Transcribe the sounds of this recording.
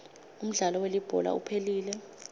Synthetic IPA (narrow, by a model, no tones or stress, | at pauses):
um̩ɮalɔwelib̥ʱɔ̰la̰upʰeliːlɛ